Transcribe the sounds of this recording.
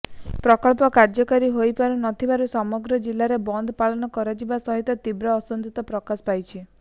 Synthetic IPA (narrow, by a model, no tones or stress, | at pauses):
pɾɔkɔɭpɔkaɾd͡ʒɔkaɾiɦojpaɾunɔt̪ʰibaɾusɔmɔɡɾɔd͡ʒilːaɾebɔnd̪ʱɔpalɔnɔkɔɾad͡ʒibasɔɦit̪ɔt̪ibɾɔːsɔnd̪it̪ɔpɾɔkaspajt͡ʃʰi